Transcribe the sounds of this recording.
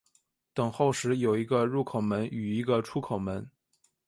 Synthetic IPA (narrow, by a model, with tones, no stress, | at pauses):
t̪ɤ˨˩ŋxo˥˩ʊʂɻ̩˧˥jo˨˩ʊi˧˥ɡə˧ɻu˥˩kʰo˨˩ʊmə˧˥ny˨˩i˧˥ɡə˧ʈ͡ʂʰu˥kʰo˨˩ʊmə˧˥n